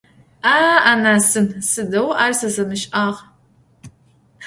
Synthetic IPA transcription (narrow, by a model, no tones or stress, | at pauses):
aːanaːsɨnsɨdɐwʔaːrsɐzɐmɨʃʼʔaːʁ